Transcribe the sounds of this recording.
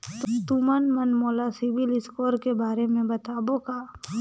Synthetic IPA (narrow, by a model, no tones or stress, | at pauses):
t̪ʊt̪umənmɐnmoːlasɪʋɪlɪskoːɾkebaːɾemẽbɐt̪aːbokaː